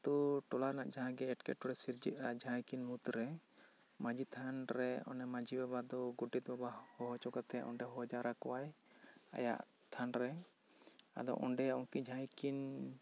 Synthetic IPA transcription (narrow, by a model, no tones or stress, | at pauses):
t̪uʈɔlanaʔd͡ʒaɦãɡɛːʈkɛ̰ʈɔɽɛsiɾd͡ʒit̪ad͡ʒʱãjkinmut̪ɾɛ | mãd͡ʒit̪ʰanɾɛɔ̰nɛmãd͡ʒibabad̪ɔɡuʈit̪̚ˀbabahɔɦɔt͡ʃɔɡat̪ɛa̰ʔɔ̰ɳɖɛɦɔɔd͡ʒaɾakɔwaj | a̰ja̰ʔ | t̪ʰanɾɛ | a̰d̪ɔ̰ʔɔɳɖɛaɔŋkid͡ʒʱãjkin